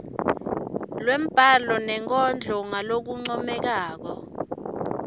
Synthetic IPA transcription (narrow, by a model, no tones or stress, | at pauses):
lwem̩b̥ʼʱalɔnɛŋk̬ʼɔnd͡ɮʱɔŋalok̬uŋ͡ǀɔmɛk̬aːk̬ɔ